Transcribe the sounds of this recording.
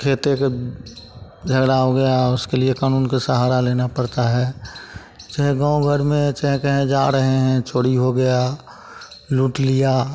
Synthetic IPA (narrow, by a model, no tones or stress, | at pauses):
kʰeːt̪ek | d͡ʒʱəɡɽaɦoɡɐjaʊskeliekaːnuːnkasəɦaːɾaleːnapəɾt̪aɦɛː | t͡ʃəɦɛ̃ɡãːõɡʱəɾmẽt͡ʃəɦɛ̃kəɦẽd͡ʒaːɾəɦeɦɛ̃t͡ʃoːɽiɦoɡəja | luːʈlija